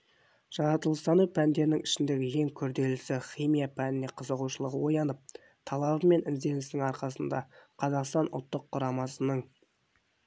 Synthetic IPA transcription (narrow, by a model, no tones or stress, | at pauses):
ʒ̥ɑɾɑt̪əlˠəst̪ɑnuwpʰænd̪e̞ɾɪnɪŋɪʃɪnd̪e̞ɡʲɪje̞ŋkʲʰʏɾd̪e̞lɪsɪχijmijapʰænɪne̞qʰəzəʁuʃəlˠəʁəwo̞jɑnəp̚ | t̪ʰɑlˠɑβəme̞nɪnzd̪e̞nɪsnɪŋɑɾqɑsənd̪ɑ̰qʰɑzɑqst̪ɑnʔʊ̰lˠt̪ːəqʰːʊɾɑmɑsənəɴ